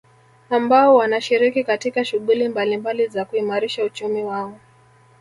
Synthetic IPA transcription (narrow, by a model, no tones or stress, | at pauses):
ambaɔwanaʃiɾikikatikaʃuɠulimbalimbalizakuimaɾiʃaut͡ʃumiwaɔ